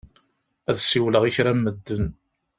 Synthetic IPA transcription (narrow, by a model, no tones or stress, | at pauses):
æðsiwləʁiçɾæmːəd̪ːən